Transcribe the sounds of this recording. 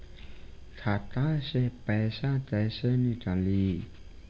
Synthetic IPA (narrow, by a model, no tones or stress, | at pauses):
kʰat̪asɛpɛsat̪ɛsɛnit̪ali